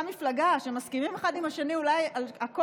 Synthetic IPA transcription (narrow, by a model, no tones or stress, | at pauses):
miflaɡaʃemaskimimeχad̪imaʃeniulajalako